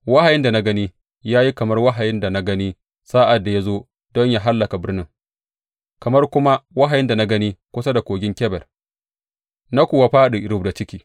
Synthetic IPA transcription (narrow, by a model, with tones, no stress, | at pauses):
wa˦ha˨jɪ˦nda˨na˦ɡɐ˦niː˦ | jaː˦ji˦kɐ˨mɐ˦rwa˦ɦa˨jɪ˦nda˨na˦ɡɐ˦ni˦ | sa˦ʔa˨dːa˨ja˦zoː˦ | dɔ˦ɲja˦ɦa˦lːɐ˨ka˨bɪ˦rnɪ˦ŋ | kɐ˨mɐ˦rkʷʊ˦ma˦wa˦ɦa˨jɪ˦nda˨na˦ɡɐ˦niː˦kʷʊ˦sa˦da˨kʷoː˨ɡʲɪ˦ŋkʲɛ˦bɛ˨r | na˦kʷʊ˨wa˨ɸaː˦ɗu˨ʔɪ˨ɾʊ˦bda˨t͡ʃɪ˦kʲiː˨